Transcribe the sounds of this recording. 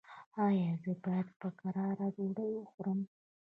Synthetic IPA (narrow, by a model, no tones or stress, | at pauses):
ɑjɑzəbɑjad̪pəkaɾɑɾad͡ʒoɽəwəxuɾəm